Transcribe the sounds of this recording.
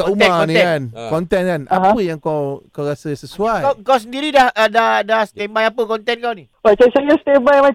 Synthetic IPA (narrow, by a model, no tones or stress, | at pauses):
kaumakɔnĩɛkankɔnt̪ɛnkanʔaaɦãpəjaŋkawkawɾasəsəsuajakaws̬əndiɾidahədahdahsə̥t̪ɛmbajapəkɔnt̪ɛnkawni | wat͡ʃasajəst̪ɛbajma